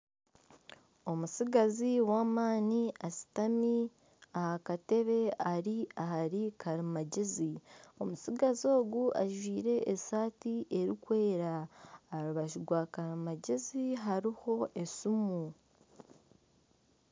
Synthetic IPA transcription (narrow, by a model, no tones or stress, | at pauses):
o̞musiɡaziwaːmaːniasi̥tami | ahakate̞βe̞aɾiaɦaɾikʰaɾimaɟezio̞musiɡazo̞ːɡuʔaʒwiːɾe̞ʔːsaːtiʔe̞ɾikwe̞ːɾaːɾuβaʃiɡwakaɾimaɟeziɦaɾiho̞ʔe̞sumu